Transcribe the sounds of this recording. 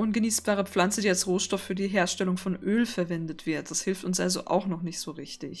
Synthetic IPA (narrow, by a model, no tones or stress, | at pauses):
ʔʊnɡəniːsb̥aːʁ̞əp͡flant͡sədiːalsʁoːʃtɔfːyːɐdiːɦeːɐʃtɛlʊŋfɔnʔøːlfɛɐvɛndətv̥ɪɐt̚d̥ashɪlftʊnsʔalzo̰ʔa̰ʊxnɔχnɪçtz̥oːʁɪçtɪç